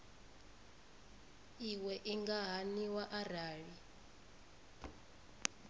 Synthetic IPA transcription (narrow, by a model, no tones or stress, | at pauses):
iwɛʔiŋɡaɦaniwaʔaraːɺi